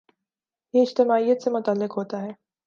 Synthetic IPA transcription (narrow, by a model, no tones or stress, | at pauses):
jeɪd͡ʒt̪ɪmaːijət̪semʊt̪əlːɪqɦoːt̪aɦɛː